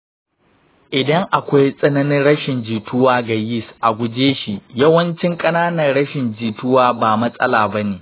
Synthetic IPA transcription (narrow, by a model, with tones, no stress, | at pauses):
ʔɪ˨dɐ˦ŋʔa˨kʷa˦jsʼɐ˦nɐ˦nɪ˦nɽɐ˦ʃɪ˨nd͡ʒiː˨tʊ˦waː˦ɡa˨jɪ˦˨sʔa˨ɡʷʊ˦d͡ʒeː˦ʃi˨jɐ˦wɐ˦nt͡ʃɪ˦ŋkʼɐ˦naː˦nɐ˨rɽɐ˦ʃɪ˨nd͡ʒiː˨tʊ˦waː˦baː˨mɐ˦sʼɐ̰˦laː˨bɐ˦neː˨